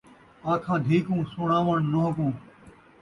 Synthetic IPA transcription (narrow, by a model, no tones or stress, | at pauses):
aːkʰãːd̪ʱiːkũːsʊɳaːʋəɳnoɦəkũː